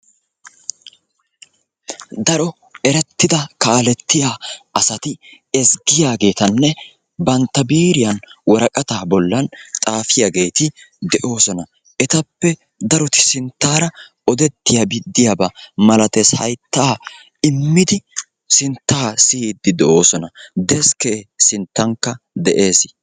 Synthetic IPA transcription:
d̪ɐɾɔ | ɛɾɛt̪ːɪd̪ɐkaːlɛt̪ːɪjaːɐsɐt̪ɪ | ɛsɡɪjaːɡe̞ːt̪ɐnːɛ | bɐnt̪ːɐbiːɾɪjɐnwɔɾɐkʼɐt̪aːbɔlːɐnt͡sʼaːfɪjaɡe̞ːt̪ɪd̪ɛʔo̞ːsɔnɐ | ʔɛt̪ɐpːɛ | d̪ɐɾɔt̪ɪ̥sɪnt̪ːaːɾɐ | ɔd̪ɛt̪ːɪjabɪd̪ːɪjabɐmɐlɐt̪eshɐ̰jt̪ːaː | ɪmːɪd̪ɪ | sɪnt̪ːaːsɪd̪ːɪd̪ɛʔo̞ːsɔnɐd̪ɛskeːsɪnt̪ːɐŋkːɐ | d̪ɛʔe̞ːs

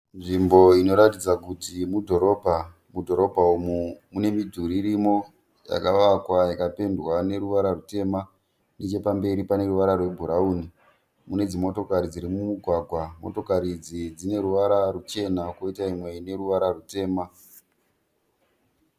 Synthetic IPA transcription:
nʐimbo̞ino̞ɾatid͡zakutimudʱo̞ɾo̞ːbʱa | mudʱo̞ɾo̞bʱaumumune̞midʱuɾiɾimo̞ | ja̰kaʋakwajakape̞ndwane̞ɾuʋaɾarute̞ːma | net͡ʃe̞pambe̞ɾipane̞ɾuʋaɾarwe̞bʱuɾauːni | mune̞d͡zimo̞to̞kaɾid͡ziɾimumuɡʱwaɡʱwamo̞̰to̞kaɾid͡zid͡zine̞ɾuʋaɾarut͡ʃe̞nakoitaimwe̞ine̞ɾuʋaɾarute̞ːma

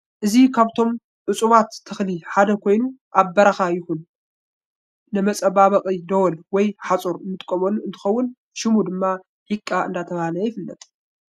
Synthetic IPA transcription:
ʔɨzikʰaβt̪ʰo̞m | ʔʊt͡sʼuβat̪ʰːɨxliħad̪ɐkʰo̞jnuʔaβbɐɾaxajɪhun | ɨmɐt͡sʼɐbaβɐqʼid̪ɐwɔlwɔjħat͡sʼuɾmɨt̪ʼkʼːɐmoluɨnt̪ʰɨ̥xɐwːʊn | ʃɪmud̪ɨmːa | ħikʼːaʔɨ̰nd̪at̪ʰɐβahlɐjɪfɨlːɐ̰t̪ʼ

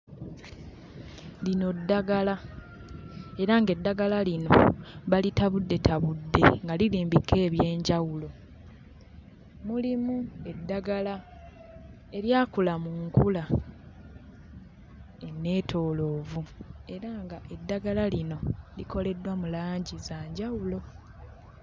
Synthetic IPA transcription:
lino̞dːaɡala | e̞ɾaŋɡe̞dːaɡalalino̞̰βalitaβudːe̞tʰaβudːe̞̰ŋɡaliliːmbikːe̞ːβje̞ːɲɟawulo̞ | mulimue̞dːaɡala | e̞ljaːkulamuŋkula | e̞nːe̞ːtʰo̞ːlo̞ːvue̞ɾaŋɡaʔe̞dːaɡalalino̞lḭko̞le̞dwamulaːɲɟizaːɲɟawulo̞

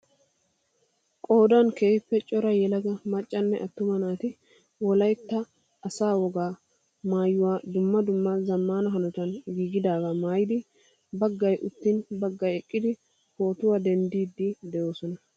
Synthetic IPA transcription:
kʼoːd̪ɐnkeːpːɛt͡ʃʼɔɾɐjɛlɐɡɐmɐt͡ʃʼːɐnːɛʔɐt̪ːʊmɐnaːt̪ɪ | wɔlɐjt̪ːɐː | saːwɔɡaː | maːjːʊwaːd̪ʊmːɐd̪ʊmːɐzɐmːaːnɐɦɐnʊt̪ɐnɡiːɡɪd̪aːɡɐmaːjɪd̪ɪ | bɐɡːɐjʔʊt̪ːɪnbɐɡːɐjɛkʼːɪd̪ɪ | ho̞ːt̪ʊwad̪ɛnd̪iːd̪ːɪd̪ɛjo̞ːsɔnɐ

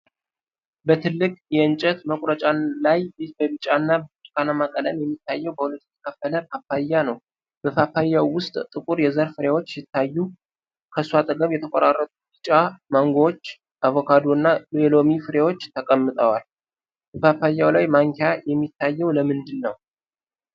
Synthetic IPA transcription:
bət̪ʰɨlːɨkʼjɛɨnt͡ʃʼət̪məkʼɾət͡ʃʼalajbəbɨt͡ʃʼanːabət͡ʃʼkʰanamakʼələmjɛmːit̪ʰːajːɛwbəhulət̪jɛt̪ʰə̥kʰəfːələpʰafajːanəw | b̥əfafajːawwːʊst̪ʼt̪ʼɨkʼuɾjɛzəɾfɨɾewo̞t͡ʃːsɪt̪ʰːajːu | kʰəswat̪ʼəɡəβjɛt̪ʰəkʷʼoɾarːət̪ʼubɨt͡ʃʼamaŋɡoot͡ʃː | ʔaβokʰad̪oɨnːaelo̞mifɨɾewo̞t͡ʃːt̪ʰəkʼəmːɨt̪ʼəwal | bəfafajːawlajmaŋkʰejajɛmːit̪ʰːajːɛwləmɨnd̪ɨnːəw

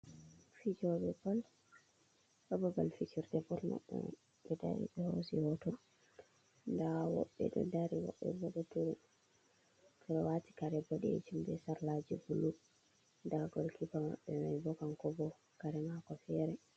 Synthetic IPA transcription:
fid͡ʒɔbɛbɔl | ʔɔbɔbalfit͡ʃiɾdɛbɔlma̰ɓːɛ̰ | ɓɛda̰ɾḭɓɛhosiwɔtɔ | ndawɔ̰ɓːɛ̰ɗɔ̰daɾiwɔ̰ɓːɛ̰bɔɗɔtuɾ | kʰɔɗɔwati̥kaɾɛbɔɗɛɛ̰t͡ʃumbɛsaɾlad͡ʒibulu | daɡɔlkibama̰ɓːɛmajbɔkankɔbɔ | kaɾɛmakɔfɛɾɛ

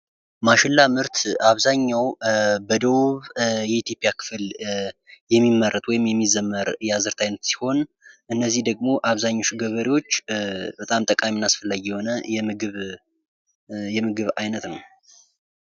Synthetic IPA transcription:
maʃɪlːamɨɾt̪ʰaβzaɲːawbəd̪əβuβjɛit̪ʰjo̞pʼijakʰɨ̥fl | jɛmːimːərːət̪ʼwɔjɪmjɛmːizəmːəɾjazɨɾt̪ʰajnət̪si̥ho̞n | ʔɨnːəzːihd̪əɡ̚mo̞ʔaβzaɲːoʃuɡəβəɾiwo̞t͡ʃːbət̪ʼamt̪ʼəkʼamːnːasfəlːaɡijɛho̞nəjɛmɨɡɨβ | jɛmɨɡɨβajnət̪nəw

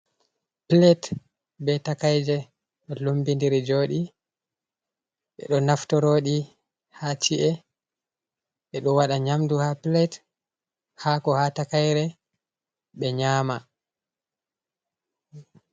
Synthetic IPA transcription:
plɛt | bɛtakajd͡ʒɛ | ɓɛlumbindiɾid͡ʒoːɗi | ɓɛ̰ɗɔnaftɔɾoːɗi | hat͡ʃiʔɛ | ɓɛɗɔwaɗaɲamduhaplɛt | haːkɔhatakajɾɛ | ɓɛɲaːma

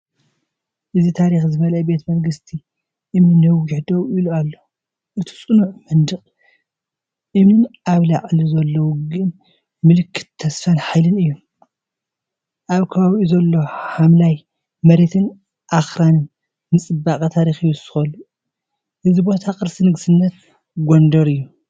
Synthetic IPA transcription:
ʔɨzit̪ʰaɾixzɨβɐlɐjbe̞t̪ʰmɐɾɡɨst̪ʰi | ʔɨmɨnːɐwɡiħd̪owilualːo | ʔɨt̪ʰi̥t͡sʼɨnuʕmɐnd̪ɨχʼ | ʔɨmɨnaβlaʔʼlizɐlːɐwuɡɨn | mɨlɨkʰːɨ̥t̪ʰːɐsfɐnħajlɨnɨjːom | ʔaβkʰɐβaβiʔuzɐlːo̞hamlaj | mɐɾe̞t̪ʰɨn | ʔaxɾanɨnː | ɨt͡sʼɨbːakʼɐt̪ʰaɾixɨjːsɨ̥xɐlu | ʔɨzibo̞t̪ʰakʼɨɾsinɨɡsɨnːɐt̪ | ɡʷond̪ɐɾɨjːu

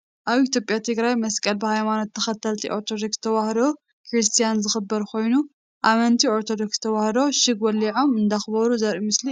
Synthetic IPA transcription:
ʔaβit̪ʰjo̞pʼjat̪ʰɨɡɾajmɐskʼɐlbɨhajmanot̪ʰːɐxɐt̪ʰːɐlt̪ʰiʔo̞ɾt̪ʰod̪o̞kst̪ʰɐβahd̪o | kʰɾist̪ʰijanzɨxɨbːɐɾkʰo̞jnu | ʔamɐnt̪ʰioɾt̪ʰod̪okst̪ʰɐβahd̪o̞ʃɨɡwɐlːiʕo̞mɨnd̪axɨbɐɾuzɐɾimɨsli

